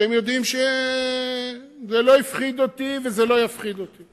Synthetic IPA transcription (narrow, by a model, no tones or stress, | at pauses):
emjo̞d̪imʃe | zelo̞ifχid̪ot̪ivezelo̞jafχid̪ot̪i